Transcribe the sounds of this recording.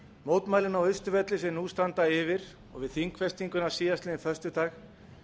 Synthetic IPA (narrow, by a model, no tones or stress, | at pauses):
moːwt̪maːjlɪnawʏst̪ʏvɛt̪lɪsɛmnust̪ant̪aɪvɪɾ̥ | ɔ̰ɣvɪðθiŋkʰfɛst̪iŋkʏnasiːjast̪ɪɪθœst̪ʏt̪aːx